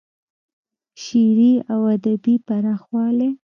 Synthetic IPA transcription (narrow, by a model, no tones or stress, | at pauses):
ʃiɾiawad̪abipaɾɑxwɑle